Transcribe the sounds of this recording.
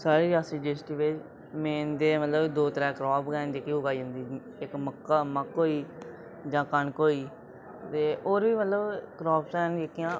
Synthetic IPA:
saːɾiːɾaːsiːd͡ʒeːsʈiːʋet͡ʃ | meːnd̪eːmət̪ləbd̪oːt̪əɾɛ̃ːkɾɔːpɡɛːnd͡ʒeːkiːʊɡaːid͡ʒə̃nd̪iː | ɪkməkːaːməkɦoːiː | d͡ʒãːkəɳkoːiː | t̪eːʔoːɾʋiːmət̪ləbkɾɔːpsɛːnekɪjãː

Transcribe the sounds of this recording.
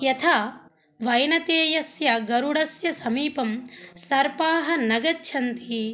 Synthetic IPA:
jɐt̪ʰaː | ʋɐjnɐt̪eːjɐsjɐɡɐɾuɽɐsjɐsɐmiːpɐmsɐɾpaːɦɐ̆nɐɡɐt͡ʃːʃʰɐnt̪i

